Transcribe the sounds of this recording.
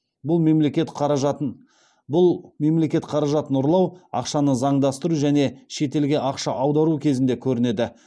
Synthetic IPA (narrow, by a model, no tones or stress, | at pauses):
bʊlˠme̞mle̞kʲe̞t̪qʰɑɾɑʒɑ | bʊlˠme̞mle̞kʲe̞t̪qʰɑɾɑʒɑt̪ənʊɾlˠɑwɑ̰qʃɑnəzɑɴd̪ɑst̪əɾuʒæne̞ʃe̞t̪e̞lɡʲe̞ʔɑqʃɑʔɑwd̪ɑɾukʲʰe̞zɪnd̪e̞kʲʰɵɾɪne̞d̪ɪ